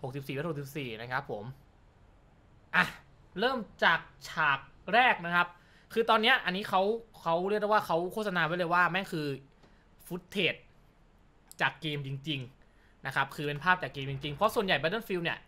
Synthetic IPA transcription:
ho˨˩k̚si˨˩p̚siː˨˩a˦˥tho˨˩sp̚siː˨˩na˦˥kʰa˦˥pʰːo˨˩˦m | ʔa˧˩ | ɾɤː˥˩mt͡ɕaː˨˩k̚t͡ɕʰaː˨˩k̚ɾɛː˥˩k̚na˦˥kʰa˦˥p̚ | kʰɯː˧t̪ɔː˧nːi˦˥ɐʔa˧nːiː˦˥kʰa˦˥wkʰa˦˥wɾi˥˩k̚da˧˩waː˥˩kʰa˦˥wkʰoː˥˩t̪̚sa˧naː˧wa˦˥jlɤ˧jwaː˥˩ma˥˩kʰɯː˧ | fʰu˦˥t̪ʰːeː˨˩t̪̚ | t͡ɕaː˨˩kːeː˧mt͡ɕi˧ŋt͡ɕi˧ŋ | na˦˥kʰa˦˥p̚kʰɯː˧pe˧npʰaː˥˩p̚t͡ɕaː˨˩kːeː˧mt͡ɕi˧ŋt͡ɕi˧ŋpʰɾɔ˦˥su˨˩ənja˨˩jba˧˦˥t̪ɤː˥˩nfi˧wni˥˩ɐ

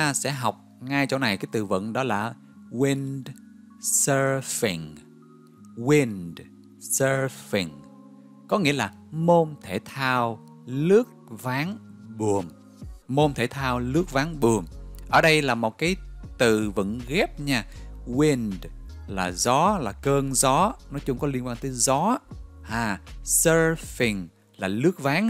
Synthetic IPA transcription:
aː˧sɛ̰˧˥ɦa˨˩wk͡p̚ŋa˧jt͡ɕɔ̰˧wna˨˩jkaː˨˦jt̪ɨ̰˧˩və̰˧˨nɗɔ˨˦laː˨˩ | wi˧n | səː˧fḭ˨˩ŋ | wi˧nd | səː˧fi˨˩ŋ | kɔ˨˦ŋḭ˧˥əlaː˨˩ | mo˧nt̪ʰe˧˩t̪ʰaː˧w | lɨ˦˥ək̚vaː˨˦ŋɓu˨˩əm | mo˧mt̪ʰe˧˩t̪ʰaː˧wlɨ˦˥ək̚vaː˨˦ŋɓu˨˩əmʔəː˧˩ɗə˧jlaː˨˩mo˨˩t̚kaː˨˦jt̪ɨ̰˧˨vɨ̰˧˥ŋɣɛ˦˥p̚ɲaː˧wi˧nd | laː˨˩zɔ˨˦laː˨˩kəː˧nzɔ˨˦nɔ˨˦t͡ɕʊ˧˦ŋ͡mkɔ˨˦li˧ənkwaː˧nt̪əː˨˦jzɔ˨˦haː˧˩səː˧fi˨˩ŋ | laː˨˩lɨ˦˥ək̚vaː˨˦ŋ

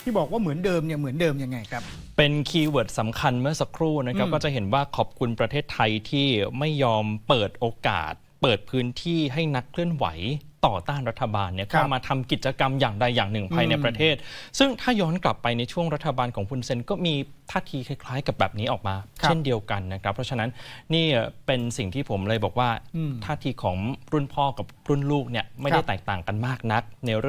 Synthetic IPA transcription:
t̪ʰiː˥˩bɔː˨˩k̚waː˥˩mɯ˩˦əndɤː˧mni˥˩ɐmɯ˩˦əndɤː˧mja˧ŋːa˧jkʰa˦˥ | pe˧nkʰiː˧wɤː˨˩t̪̚sa˩˦mkʰa˧nmɯ˥˩ɐsa˧kʰɾuː˥˩na˦˥kʰa˦˥kɔː˥˩t͡ɕa˨˩ɦe˩˦nwaː˥˩kʰɔː˨˩p̚kʰu˧npɾa˧t̪ʰeː˥˩t̪ʰːa˧jt̪ʰiː˥˩ma˥˩jːɔː˧mpɤː˨˩t̪̚ʔoː˧ka̰ː˨˩t̪̚pɤː˨˩t̪̚pʰɯː˦˥nt̪ʰiː˥˩ɦa˥˩jna˦˥kʰlɯ˥˩ənwa̰˩˦jt̪ɔː˨˩t̪aː˥˩nɾa˦˥t̪ʰːa˧baː˧nːi˥˩ɐkʰa˥˩wmaː˧t̪ʰa˧mki˨˩t̪̚t͡ɕa˧ka˧mjaː˨˩ŋda˧jːaː˨˩ŋnɯ˨˩ŋpʰaː˧jna˧jpɾa˧t̪ʰeː˥˩t̪̚sɯ˥˩ŋt̪ʰaː˥˩jɔː˦˥nkla˨˩pːa˧jna˧jt͡ɕʰu˥˩əŋɾa˦˥t̪ʰːa˧baː˧nkʰɔː˩˦ŋpʰu˧nse˧nkɔː˥˩miː˧ | t̪ʰaː˥˩t̪ʰiː˧kʰa˧˥jkʰlaː˦˥jka˨˩bɛː˨˩p̚niː˦˥ʔɔː˨˩k̚maː˧t͡ɕe˥˩ndi˧əwka˧nːa˦˥kʰɾa˦˥pʰɾɔ˦˥t͡ɕʰa˧na˦˥nːiː˥˩pe˧nsi˨˩ŋt̪ʰiː˥˩pʰo˩˦mlɤː˧jbɔː˨˩k̚waː˥˩t̪ʰaː˥˩t̪ʰiː˧kʰɔː˩˦ŋɾu˥˩npʰɔː˥˩ka˨˩p̚ɾu˥˩˨nluː˥˩k̚ni˥˩əm˥jda˥˩jt̪ɛː˨˩k̚t̪aː˨˩ŋka˧nmaː˥˩k̚na˦˥k̚na˧ɾ

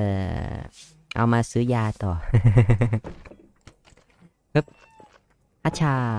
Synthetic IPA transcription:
ɤː˨˩ | ʔa̰˧wmaː˧sɯː˩˦jaː˧t̪ɔː˨˩ | pʰɯ˦˥p̚ | hʰa˦˥t͡ɕʰaː˧

